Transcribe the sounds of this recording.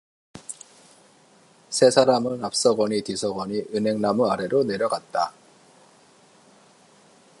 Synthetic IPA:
sʰe̞sʰaɾamɯɭnap̚s͈ʌɡʌɲitisʰʌɡʌɲiʔɯnɦe̞ŋnamuaɾe̞ɾone̞ɾjʌɡat̚t͈a

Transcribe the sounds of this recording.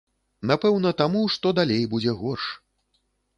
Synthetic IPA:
napɛwnɐt̪amuʂt̪ɔd̪alʲejbud͡zʲɛɣɔrʂ

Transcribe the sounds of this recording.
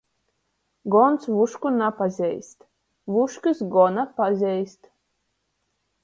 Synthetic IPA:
ɡɔnt̪svuʃkunapazʲɛjst̪ | vuʃkɨsɡɔnapazʲɛjst̪

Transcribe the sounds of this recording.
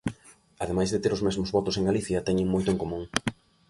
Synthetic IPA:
ɐðemajzðet̪eɾozmɛzmozβɔt̪ʊseŋɡaliθjɐt̪ɛɲɪ̃ŋmojt̪ʊeŋkomũŋ

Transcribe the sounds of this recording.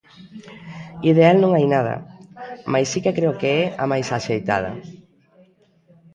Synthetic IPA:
iðealnõŋajnað̞ɐ̰majsːikekɾeʊkeɛamajsaʃejt̪a̰ð̞ɐ̰

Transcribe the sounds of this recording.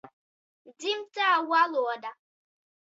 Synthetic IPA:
dim̩taawʷalʊɔda

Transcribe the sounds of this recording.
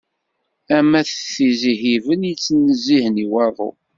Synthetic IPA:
æmæθθizihivənjit͡sːənəzːihəniwɑðˤo̰

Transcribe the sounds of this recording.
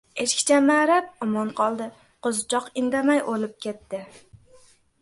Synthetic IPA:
eʃkʲɪ̥t͡ʃʰamaɾap̚ɒmɒnqʰɒlˠd̪ɪ | qozt͡ʃʰɒqɪnd̪amajʔolɪp̚kʲʰe̞t̪ːɪ

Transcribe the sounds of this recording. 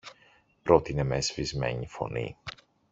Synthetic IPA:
pɾo̞t̪ine̞mezvizme̞̰ɲifo̞̰nḭ

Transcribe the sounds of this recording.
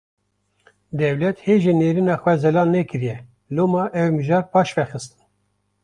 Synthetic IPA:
d̪ɛwlɛt̪heːʒeneːɾinɑːxwɛzɛlɑːnːɛkɨɾijɛ | loːmɑːʔɛwmɨʒɑːɾpʰɑːʃvɛxɨst̪ɨ̥n

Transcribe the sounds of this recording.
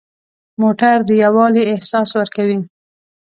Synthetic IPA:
moʈaɾd̪əjawɑliɪhsɑswəɾkawi

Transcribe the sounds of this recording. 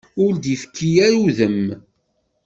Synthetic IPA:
ʊɾd̪ifə̥kʰːijæɾuðəm

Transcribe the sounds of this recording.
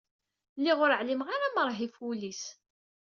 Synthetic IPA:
lːiʁʊɾəʕlimʁaɾaməɾˤɦifulis

